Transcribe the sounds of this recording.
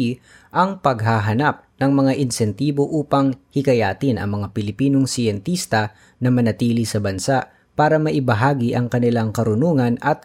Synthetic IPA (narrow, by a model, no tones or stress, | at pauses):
ʔɐŋpɐɡ̚ɦaɦɐnap̚nɐŋmɐŋaʔɪnsɛnt̪iːbo̞ʔuːpɐŋhɪkɐjaːt̪ɪnʔɐ̰ŋmɐŋapɪlɪpiːnoŋsɪjɛnt̪ist̪ɐ | nɐmɐnɐt̪iːlɪsɐbɐnsaʔ | paːɾɐmɐʔɪbɐɦaːɡɪʔɐŋkɐnɪlaŋkɐɾʊnuːŋɐnɐt̪̚